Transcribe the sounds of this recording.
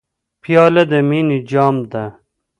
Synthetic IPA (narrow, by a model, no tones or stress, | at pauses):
pʰijɑːlɐd̪ɐminid͡ʑɑːmd̪ɐ